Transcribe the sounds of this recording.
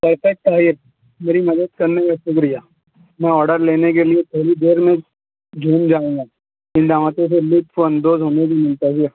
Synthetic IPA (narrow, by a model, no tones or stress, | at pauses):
pɐɾfɛk̚ʈ̪aːɪɾ | meːɾimɐd̪əd̪̚kɐɾnekasʊkɾijaː | mɛ̃ɔːɾɖəɾleːnekeliet͡ʃʰeːlid̪eːɾmẽ | d͡ʒʱoːnd͡ʒaːũːɡaː | ɪ̃nɖaːmat̪ẽselɪʈfoɐ̃nd̪oːzɦoːnek̬imʊ̃lt̪əzɪɾ